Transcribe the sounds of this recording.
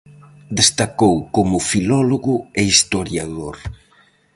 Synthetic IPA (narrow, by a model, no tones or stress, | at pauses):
d̪est̪akowkomʊfilɔloɣʊeist̪oɾjaðoɾ